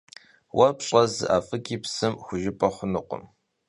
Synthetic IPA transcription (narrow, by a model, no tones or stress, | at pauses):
wɐpɕʼɐzɨ̰ʔaːfʼɨkʼiːpsɨmxʷʊʒɪpʼɐχʷʊnɨqʷʊ̰m